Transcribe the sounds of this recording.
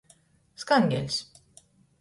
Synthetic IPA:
skanɡʲɛ̰lʲs

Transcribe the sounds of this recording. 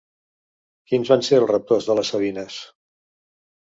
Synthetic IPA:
kinzβanseəlˠrəp̚t̪ozðələsəβinəs

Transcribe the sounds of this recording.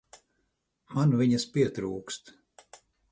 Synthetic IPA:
manviɲɐspiɛt̪ɾuːkst̪

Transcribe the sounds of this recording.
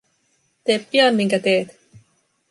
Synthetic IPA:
t̪eːppiɑnmiŋkæt̪eːt̪

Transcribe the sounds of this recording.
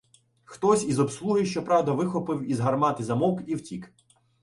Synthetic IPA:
xt̪ɔsʲizɔbslˠuɦɪʃt͡ʃɔpɾɑwd̪ɐʋɪxɔpɪwizɦɐrmɑt̪ɪzɐmɔkiwtʲik

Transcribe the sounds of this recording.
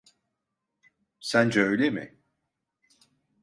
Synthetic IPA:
sænd͡ʒɛøjlʲemɪ̰

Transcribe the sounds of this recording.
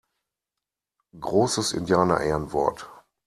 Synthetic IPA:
ɡʁoːsəsɪ̰ndjaːnɐ̰ʔɛːɐnvɔɐt

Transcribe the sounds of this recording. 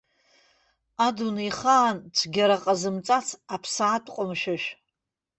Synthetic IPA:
adunajχaːnʈ͡ʂʷʰɡʲaɾaqʼazɨmt͡sʼat͡sʰapʰsaːtʼqʷʼʊmʃaʃ

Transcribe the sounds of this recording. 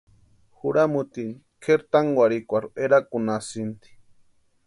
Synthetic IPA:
xuɾamut̪inikʰeɾt̪aŋɡwaɾikʷaɾueɾakunasint̪i̥

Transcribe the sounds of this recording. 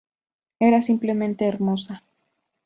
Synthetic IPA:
e̞ɾasimple̞mẽ̞nt̪e̞ːɾmo̞sa

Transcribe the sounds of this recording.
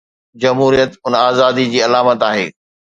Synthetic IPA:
d͡ʑɐmɦuːɾijət̪ʊnaːzaːd̪id͡ʑiːɐlaːmət̪aːɦeː

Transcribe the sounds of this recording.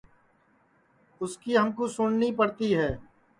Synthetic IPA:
ʊskiɦəmkosʊɳnipəɽt̪iɦɛː

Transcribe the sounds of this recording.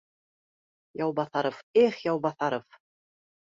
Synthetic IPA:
jɑwbɑθɑɾŏfeχjɑwbɑθɑɾof

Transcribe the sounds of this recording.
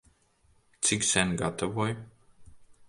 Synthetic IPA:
t̪siksænʲɡa̰t̪avɔj

